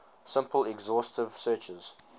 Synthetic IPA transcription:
sɪ̃mpəlɛɡzɔstɪv̥sɜːˑt͡ʃəz̥

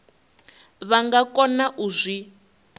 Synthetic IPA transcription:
βaŋɡakɔnaʔuzʷi

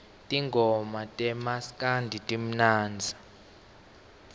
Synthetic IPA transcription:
tʼiŋɡʱɔmatʼɛmaskʼandʱitʼim̩naːnd͡zʱḁ

